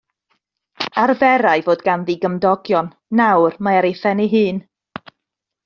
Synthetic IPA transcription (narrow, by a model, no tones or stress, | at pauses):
arvɛɾajvoːdɡanðiɡəmdɔɡjɔnːawrmaaɾejθɛniɦɨːn